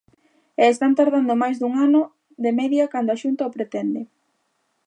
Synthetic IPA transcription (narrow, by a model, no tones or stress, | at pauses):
eːst̪ant̪aɾðand̪omajzd̪uŋanʊ | ðemɛðjɐkand̪oaʃunt̪aʊpɾet̪ɛnd̪e